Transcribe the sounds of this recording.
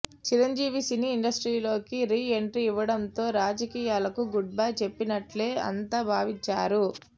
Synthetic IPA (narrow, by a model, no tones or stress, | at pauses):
t͡ʃiɾɐɲd͡ʒiːʋisiniːɳɖɐsʈɾiːlo̞ːkiɾiːe̞ɳʈɾiiʋːɐɽɐnt̪o̞ːɾaːd͡ʒɐkiːjaːlɐkuɡuɖ̚baːjt͡ʃe̞pːinɐʈle̞ːɐ̰nt̪ɐbʱaːʋiɲt͡ʃːaːɾu